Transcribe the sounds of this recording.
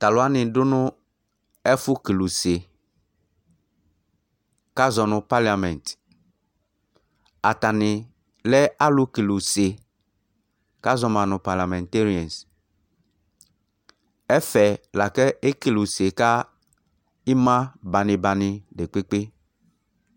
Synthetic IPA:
t̪a˨lʊ˨˦a˦nɪ̃˨dʊ˦nʊ̃˦ | ɛ˦fʊ˦ki˨lo˨se˨ | ka˦zɔ˨nʊ̃˨pa˦li˨a˨mɛ̃˨nt | a˨ta˨nɪ˨ | lɛ˦a˦lʊ˦ki˨lo˨se˨ | ka˦zɔ˦mã˨nʊ̃˨pa˨la˨mɛ̃˨nte˦ɾi˨ɛ̃˨ns | ɛ˦fɛ˨la˨kɛ˦e˦ki˨lo˨se˨ka˦ | i˦mã˦ba˨nɪ̃˨ba˨nɪ˨de˨k͡pe˦k͡pe˦

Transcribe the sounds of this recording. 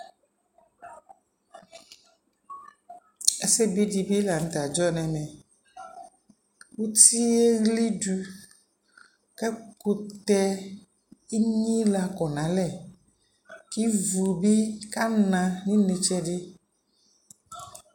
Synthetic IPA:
e˦se˦bi˦d͡ʒi˨bi˦la˨ŋ̩˨t̪a˨d͡ʒɔ˦nɛ̃˨mɛ̃˨ | wu˦t̪i˦e˦ɣli˦ɖu˨ | ke˦ku˦t̪ɛ˦ | i˦ɲĩ˦la˨kɔ˨nã˨lɛ˨ | ki˦vu˨bi˦ka˦nã˨nĩ˦ne˨t͡ʃɛ˦ɖe˦

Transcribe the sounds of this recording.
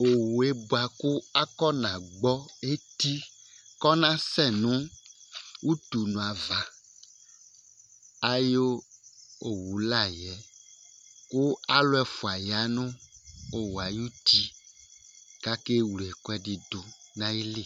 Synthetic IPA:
o˨wu˨e˦bo˦a˨ku˦a˦kɔ˦nã˨ɡ͡bɔ˦e˦t̪i˦kɔ˦nã˦sɛ˦nũ˦ | wʔu˦t̪u˨nũ˨a˨va˨ | a˦jo˦ | o˨wu˨la˦˨jɛ˨ | ku˦a˦lʊ˦ɛ˨fo˨a˨ja˨˦nʊ̃˦o˦wa˨ju˦t̪i˦ | ka˦ke˦wu˨ɛ˨kɔ˦ɛ˨ɖi˨d̪o˨nã˦ji˦li˦

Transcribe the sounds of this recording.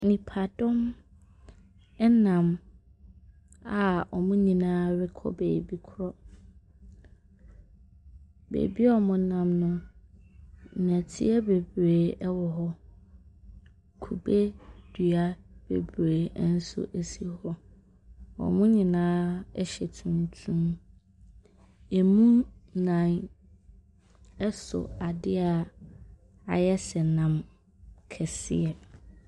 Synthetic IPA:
nĩ˨pʰa˨dɔ̃˦m | ɛ˦nã˨m | a˨ɔ˨mʊ̃˦ɲĩ˨nãː˦ɾɪ˦kʰɔ̰˦beː˨bi˦kʰɾɔ˦ | bḛ˨bi˦ɔ˦mʊ̃˨˦nã˨mnʊ̃˦˨ | n˨æ˨tʰḭ˦ɛ˦be˨bɾeː˨ɛ˦wɔ˨ɦɔ˦ | kʰu˨be˦d̥ɥa˦b̥ḛ˨bɾeː˨˦n̩˦sʊ̰˦ʔæ˨si˦hɔ˦ | wɔ̰˨mʊ̃˦ɲɪ̃˨nãː˦ɛ˦ɕɛ˨tʰũ˨ntʰũ˦m | e˨mũː˦ã˨n | ɛ˦sʊ̰˨a˨dɪ˦a˨ | a̰˨jɛ˦sɛ˨nã˨m | kʰɛ˨sɪ̰˦ɛ˨

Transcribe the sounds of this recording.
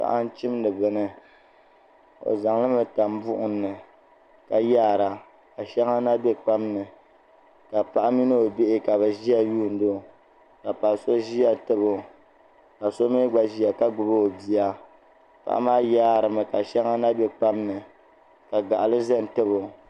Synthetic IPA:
ka̰˨ʔa˦n˦t͡ʃi˦m˦nɨ˨bɨ˨nɨ˦ | o̰˨za˨ŋlɨ˦mɨ˨ta˨m˦bʊ˦ʔʊ˦nːɨ˨ | ka˨jaː˦˨ɾa˨ | ka˨ʃɛ˦ŋa˦na˦be˦k͡pa˦mnɨ˨ | ka˨pa˦ʔa˦mi˦nɨ˦o˨be˦ʔɪ˦ka˨βɛ˨ʒi˦a˦juː˦˨n̩˨˦do˦ | ka˨pa˨so˦ʒi˦a˦tɨ˦bo˦ | ka˨so˦mi˦ɡ͡ba˨ʒi˦a˨ka˦ɡ͡bʊ˨bo˦o˨bi˨a˦ | pa̰˨ʔa̰˦maː˦jaː˦˨ɾɨ˨mɨ˨ka˨ʃɛ˦ŋa˦na˦be˦k͡pa˦mnɨ˨ | ka˨ɡa˨ʔa˨lɨ˦za˦n˨tɨ˦bo˨

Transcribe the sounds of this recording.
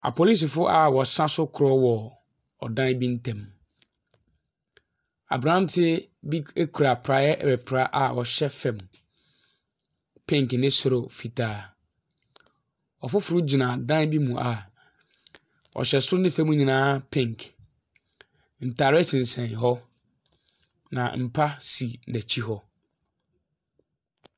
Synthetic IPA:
a̰˨pʰo˨li˦s̬i˨fʊ˦ʔa˨wɔ˨sã˦sʊ˦kʰʊ˨ɾɔ˦wɔ˨ | ɔ̰˨dã˦n˦bi˦n̩˦tʰɛ̃˨m | a̰˨bɾã˦n˦tʰɪ˦bi˦e˦kʰu˨ɾa˨pʰɾa˦jɛ˦ʔɾɛ˨pʰɾa˦ʔa˨wɔ˨ɕɛ˦fɛ̃˨m˨ | pʰɛ̃˦ŋknɪ̃˦sʊ˨ɾʊ˨fi˨tʰaː˨˦ | ɔ˨fʊ˦fʊ˨ɾʊ˦d͡ʑi˨nã˨dã˦n˦bi˦mũ˨ʔa˨ | ɔ̰˨ɕɛ˨sʊ˦ʊ˦nɪ̃˦fɛ̃˦mũ˦ɲĩ˨nãː˨˦pʰɛ̃˦ŋkʰ | n̩˨tʰaː˨ɾɛ˦t͡ɕʰɪ̃˨n̩˨sɛ̃˨nɦɔ˦ | nã̰˨m̩˨pʰa˦si˨næ̃˨t͡ɕʰi˦ɦɔ˦

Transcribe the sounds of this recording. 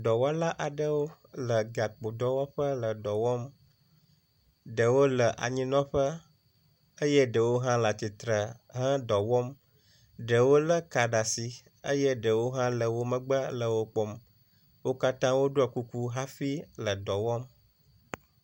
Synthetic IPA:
ɖɔ˨wɔ˦la˦ʔa˨ɖə˦wo˦ | lə˨ɡa˨k͡po˨d̪ɔ˦wɔ˦ɸə˦lə˨dɔ˨wɔ˦m | ɖə˨wo˦lə˨ʔa̰˨ɲĩ˦nɔ̃˦ɸə˦ | ə˦jɛ˦ɖə˨wo˦ɦã˦la˨t̪i˨t̪ɾə˨ɦə̃˦d̪ɔ˨wɔ˦m | ɖə˨wo˦lə˦ka˨ɖa˨si˨ | ə̰˦jɛ˦ɖə˨wo˦ɦã˦lə˨wo˦mə̃˦ɡ͡bə˦lə˨wo˦k͡pɔ˦m | wo˦ka˦t̪ã˦wo˦ɖo˦a˨ku˦ku˦ɦa˦fi˦lə˨d̪ɔ˨wɔ˦m

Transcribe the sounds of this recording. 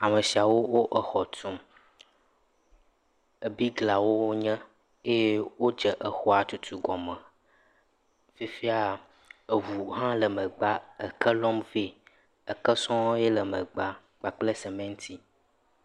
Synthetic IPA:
a˨mə˨si˨a˨wo˦wo˦ʔə˦xɔ˨t̪u˦m | ə˨bi˦ɡla˨wo˦wo˦ɲɛ̃˦ | e˦je˦wo˦d͡ʒə˨ʔə˦xɔ˦a˨t̪u˦t̪u˦ɡɔ˨mə̃˨ | fi˦fi˦a˦ | e˨vu˨ɦã˦lə˨mə̃˨ɡ͡ba˦ə˨kə˦lɔ˦mvi˦ | ə˨kə˦sɔ̃˦jɛ˦lə˨mə̃˨ɡ͡ba˨ | ɡ͡ba˨k͡ple˦sɛ˨mẽ˦ŋ̩̃˦t̪i˦

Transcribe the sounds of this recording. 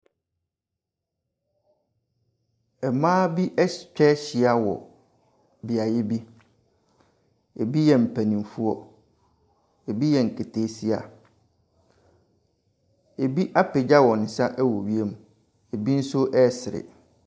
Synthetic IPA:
ɛ˨mãː˦bi˦ʔɛ˦t͡ɕᶣɛ˦ɕi˨a˨wɔ̰˨ | bi˨a˨jɛ˦bi˦ | e˨bi˦jɛ˨m̩˨pʰæ˨nĩ˨m˨fu˦ɔ˨ | e˨bi˦jɛ˨ŋ̩˨kʰe˨tʰeː˨˦si˦a̰˨ | e˨bi˦ʔa˦pʰɪ˨d͡ʑa˦wɔ˨nɪ̃˨sã˦ʔɛ˦wɔ˨ɥi˦e˦mũ˨ | e˨bi˦n̩˦sʊ˦ʔɛ˦˨sɪ˨ɾɪ̰˨

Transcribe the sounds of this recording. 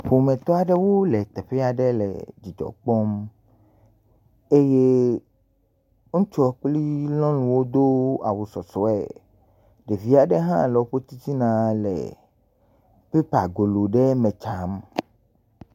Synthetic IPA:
ɸo˨mẽ˨t̪ɔ˦a˨ɖe˦wo˦le˨t̪ɛ˨ɸe˦a˨ɖe˦lɛ̰˨d͡ʑi˨d͡ʒɔ̰˨k͡pɔ˦m | e˦je˦ | ŋũ˦t͡ʃɔ˦k͡pli˦lɔ̃˦lũ˨wo˦d̪o˦a̰˨wu˨sɔ˨sɔ˨ɛ̰˨ | ɖe˨vi˦a˨ɖe˦ɦã̰˦lɔ˨˦ɸo˦t̪i˦t͡ʃi˦nã˨lɛ̰˨ | pe˦pa˨ɡo˨lo˨ɖe˦mẽ˨t͡ʃa˨˦m

